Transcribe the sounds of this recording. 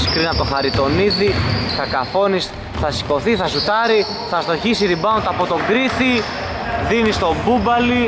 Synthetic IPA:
si̥kɾinɐt̪o̞xɐɾit̪o̞niðiθɐkɐfo̞nis | θɐsi̥ko̞θiθɐsut̪ɐɾi | θɐst̪o̞çisiɾibɐot̪ɐpo̞t̪o̞ŋɡɾiθi | ðinist̪o̞bubɐli

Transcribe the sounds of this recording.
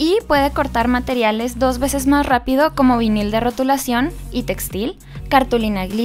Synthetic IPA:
ipwe̞ð̞e̞ko̞ɾt̪aɾmat̪e̞ɾjale̞zðo̞zβe̞se̞zmasrapið̞o̞ko̞mo̞βinild̪e̞ro̞t̪ulasjo̞nit̪e̞kst̪il | kaɾt̪ulinaɣli

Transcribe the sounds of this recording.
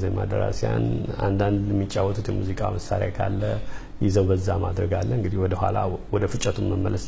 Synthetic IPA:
zajmad̪əɾasjanand̪and̪jɛmːit͡ʃʼːawːɔt̪ʰʼut̪jɛmuzikʼaməsaɾja̰jkʰalːə | jɪzəwbəzːamad̪ɾəɡalːəɨŋɡɨd̪ihwɔd̪əɦʷalawɔd̪əfɨt͡ʃʼːət̪ʰumːəmːələs

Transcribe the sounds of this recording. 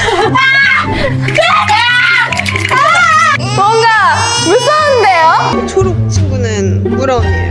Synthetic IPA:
mwʌŋɡa | mus͈ʰʌɯndejo | t͡ɕʰoɾuk̚t͡ɕʰiɡunɯn | muɾʌ

